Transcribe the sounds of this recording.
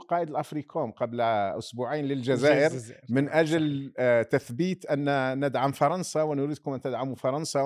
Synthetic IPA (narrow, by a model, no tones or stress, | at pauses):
qɑːʔəd̪əlʔɑfɾikumqɑblʔʊsbuʕajnlɪlʒæzæːʔəɾmɪnʔæʒlt̪æθbiːt̪ʔənːnəd̪ʕamfɑɾˤɑnsawnʊɾiːd̪kʊmʔænt̪əd̪ʕamufɑɾˤɑnsa